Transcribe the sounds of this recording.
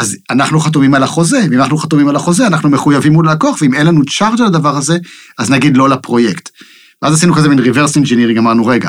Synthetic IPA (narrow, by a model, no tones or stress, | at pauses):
az | anaχnuχat̪umimalaχo̞ze̞veimanaχnuχat̪umimalaχo̞zeanaχnumeχujavimulalako̞aχveime̞nlanut͡ʃaʁd͡ʒalad̪avaʁaze̞aznaɡid̪lo̞lapʁo̞je̞kt̪ | vveazasinukazeminʁiveʁsend͡ʒeniʁĩŋɡamaʁnuʁe̞ɡa̰